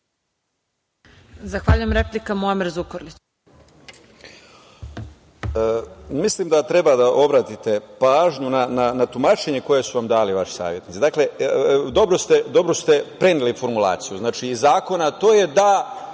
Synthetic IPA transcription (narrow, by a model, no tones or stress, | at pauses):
zaxʋaʎujemɾeplikamomiɾzukoɾlit͡ɕ | əmislimd̪at̪ɾe̞bad̪aʔo̞ʋɾat̪it̪e̞paːʒɲunananat̪umaːt͡ʃe̞ɲe̞ko̞je̞suʋamd̪aːliʋaʃi̥sa̰ːʋje̞t̪nit̪ed̪akle̞d̪o̞bɾost̪ed̪o̞bɾost̪e̞pɾe̞nilifo̞ɾmulˠa̰ːt̪sijuznaːt͡ʃiːzːaːko̞nat̪o̞ːje̞d̪a